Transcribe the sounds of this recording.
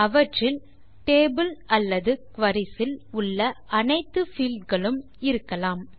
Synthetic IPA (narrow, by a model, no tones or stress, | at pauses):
ɐʋɐʈrɪl | ʈeːbɯlɐlːɐðɯkʋɐɾɪsɪlʊɭːɐʔɐnɐɪt̪ːɯfiːlɖɡɐɭɯm | ɪɾɯkːɐlaːm